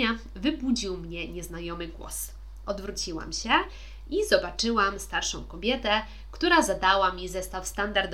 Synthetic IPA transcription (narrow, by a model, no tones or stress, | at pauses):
a | vɘbud͡ʑiwmɲɛɲɛznajɔmɘɡwɔ̰s | ʔɔd̪vɾut͡ɕiwa̰mɕɛ | izɔbat͡ʂɘwamst̪aɾʂɔ̃w̃kɔbʲjɛt̪ɛ | kt̪uɾazad̪awamʲizɛst̪afst̪and̪aɾd̪